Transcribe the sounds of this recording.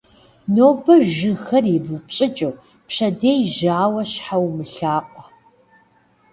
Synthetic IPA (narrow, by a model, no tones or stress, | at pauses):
noːbɐʒɨxɐribupɕʼɪt͡ʃʼɐw | pɕɐdeːjʒaːwɐɕħawmɨɬaːqʷʼɐ